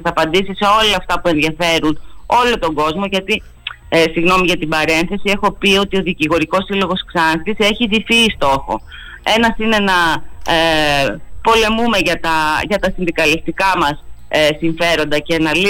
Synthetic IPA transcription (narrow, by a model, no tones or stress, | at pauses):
θɐpɐnd̪isiseo̞lɐːft̪ɐpue̞nðiɐfe̞ɾuno̞lo̞t̪o̞ŋɡo̞zmo̞ʝɐt̪i | siɣno̞miʝɐt̪ibɐɾe̞nθe̞sie̞xo̞pio̞t̪io̞ðiciɣo̞ɾiko̞silo̞ɣo̞sksɐnst̪ise̞çiðifist̪o̞xo̞̰ | e̞nɐsine̞nɐ | po̞le̞mume̞ʝɐt̪ɐʝɐt̪ɐsinðikɐlist̪ikɐmɐssiɱfe̞ɾo̞nd̪ɐce̞nɐli